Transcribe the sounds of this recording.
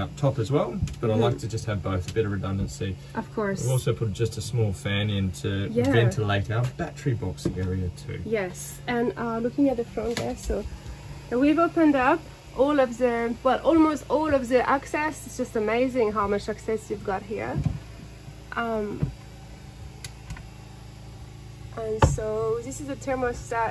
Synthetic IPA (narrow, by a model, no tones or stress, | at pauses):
ʌp̚tʰɑpɨzwɛlˠb̥ʌɾaɪlaɪk̚tʰɨd͡ʒʌst̚hɨvboʊθəbɪɾəvɹɨdʌ̃ndɨ̃nsiʔʌv̥kʰɔɹsvɔˑlˠsoʊpʰʊɾ̚d̥d͡ʒ̥ʌstɨsmɔlˠfæ̃nɪ̃ntʰɨjævɛ̃ntʰəleɪɾaʊb̥ætəɹ̥ibɑksɪ̃ŋɛɹiətʰʉ̰jɛs | ɨ̃nʌlʊkɪ̃ŋɨt̪̚ðɨfɹʌ̃nðə˞soðwivoʊpɨ̃ndʌp | ʔɔlˠʌvðɨwɛlˠʔɔlˠmoʊstɔlˠʌvðəʔæksɛsɪtsd̥ʒ̥ʌstəmeɪzɪ̃ŋɦaʊmʌt͡ʃɨksɛsjʉvɡɑt̚ɦḭɹ | ʔʌ̃m | ʔə̃nsoʊðɪsɨzɨtʰɜ˞mʌ̥stɑ